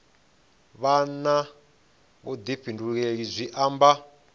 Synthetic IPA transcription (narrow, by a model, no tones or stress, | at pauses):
βana | βod̪iɸʰinduɺeɺizʷiʔamba